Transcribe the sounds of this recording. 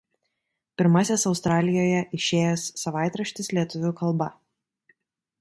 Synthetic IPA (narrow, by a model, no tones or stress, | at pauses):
pʲɪɾmɑːsʲesɒʊst̪ɾɑːlʲɪjoːjɛʔɪʃʲeːjɛsːɐʋɑˑɪt̪ɾɐʃʲt̪ʲɪslʲiɛt̪ʊʋʲʊːkɐlˠbɐ